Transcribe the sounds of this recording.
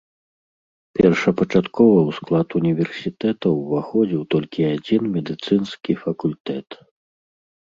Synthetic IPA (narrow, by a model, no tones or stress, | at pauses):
pʲɛrʂɐpɐt͡ʂat̪kɔvɐwsklˠat̪unʲivʲɛrsʲit̪ɛt̪ɐwvaxɔd͡zʲiwt̪ɔlʲkʲiad͡zʲinmʲɛd̪ɨt̪sɨnskʲifɐkulʲt̪ɛt̪